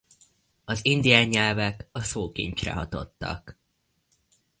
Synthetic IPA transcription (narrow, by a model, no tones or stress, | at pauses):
ɒzind̪ijaːɲːɛlvɛkɒsoːkḭɲt͡ʃrɛ̰ɦɒt̪o̞̰t̪ːɒ̰k